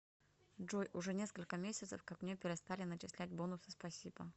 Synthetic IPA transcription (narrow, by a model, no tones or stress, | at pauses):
ʐojʔʊʐɛnʲe̞skəlʲkəmʲesʲət̪səfkɐkmnʲepʲɪɾʲɪst̪alʲɪnət͡ɕɪslʲæt̚ʲbonʊsɨ̥spɐsʲibə